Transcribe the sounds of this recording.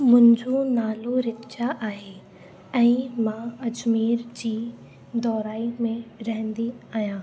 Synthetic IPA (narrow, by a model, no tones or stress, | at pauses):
mʊ̃ɦɪ̃ɲd͡ʑonaːloɾɪtt͡ɕaʔaːɦe | ɛ̃ːmãɐd͡ʑmiːɾd͡ʑiː | d̪ɔːɾaːimẽɾɐɦə̃nd̪iaːɦjãː